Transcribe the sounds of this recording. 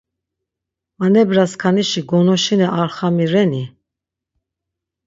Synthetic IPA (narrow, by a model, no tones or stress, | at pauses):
manɛbɾaskʰaniʃiɡɔnɔʃinɛʔaɾχamiɾɛni